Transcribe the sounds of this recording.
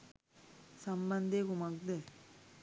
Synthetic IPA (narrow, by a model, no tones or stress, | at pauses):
samband̪eɡumak̚d̪e